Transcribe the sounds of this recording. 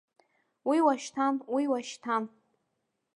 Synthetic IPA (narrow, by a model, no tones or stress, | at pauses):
wiwaʃtʰamwiwaʃtʰam